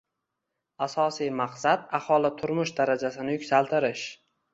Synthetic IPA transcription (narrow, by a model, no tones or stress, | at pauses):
asɒsijmaqsad̪ahɒlˠɪt̪ʰʊɾmʊʃd̪aɾad͡ʒasɪnɪjʊkʲsalˠt̪ʰɪɾɪʃ